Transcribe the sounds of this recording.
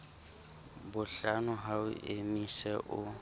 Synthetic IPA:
bʊɬanʊɦaʊ̰ʔemisɛʔʊ

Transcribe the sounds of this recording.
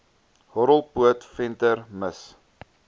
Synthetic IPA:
hɔɾəlˠpuətfɛntərməs

